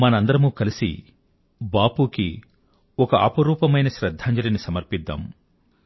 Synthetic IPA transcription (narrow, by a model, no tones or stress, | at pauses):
mɐnɐɐnd̪ɐɾɐmukɐlisḭ | baːpuːki | ɔkɐʔɐ̰pɐɾuːpɐmɐjnɐʃɾɐd̪ʱːaːɲd͡ʒɐlɐnisɐmɐɾpid̪ːa̰ːm